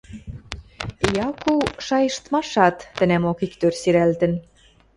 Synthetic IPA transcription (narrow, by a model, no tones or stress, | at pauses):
jɑkuʃɑjɤ̆ʃt̪mɑʃɑt̪ːɘ̆næmokikt̪ørsiɾælt̪ə̆n